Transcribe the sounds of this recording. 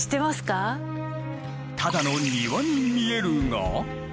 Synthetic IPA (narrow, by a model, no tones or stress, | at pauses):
ɕi̥t̪emasɨ̥ka | t̪ʰadanonːiβanimieɾɯŋɡa̰